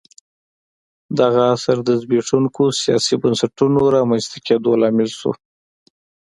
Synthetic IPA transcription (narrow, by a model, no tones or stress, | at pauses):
d̪aɣaasaɾd̪əzbiʂuŋkosijɑ̰sibənsaʈunoɾɑmanst̪aked̪olɑmɪlʃṵ